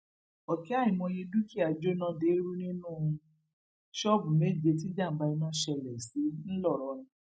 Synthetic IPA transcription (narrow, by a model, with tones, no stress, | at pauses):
ɔ˨ki˨˦a˦˨ĩ˨mɔ̃˧je˧du˦ki˦a˨d͡ʒo˦nã˧de˨˦ɾu˦nĩ˦nũ˦˨˧ | ʃɔ˦bu˨me˦˨d͡ʒe˧ti˨˦d͡ʒa˦˨m̩˨˦ba˧i˧nã˦ʃɛ˧˨lɛ˨si˨˦n̩˦lɔ˦˨ɾɔ˧˦nĩ˦˧